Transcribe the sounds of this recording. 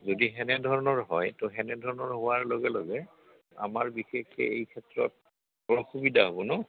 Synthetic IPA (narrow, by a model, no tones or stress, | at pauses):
zodiɦɛnɛdʱɔɹɔnɔɹɦɔjtʊɦɛnɛdʱɔɹɔnɔɹɦʊwaɹloɡɛloɡɛ | a̰maɹbixekʰɛ̰ejkʰɛtɹɔ̰t̚ | ɔɹɔxubidʱaɦobɔnɔ